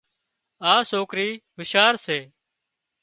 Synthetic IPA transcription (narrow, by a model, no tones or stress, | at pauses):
aːsoːkɾiːʋɪʃaːɾseː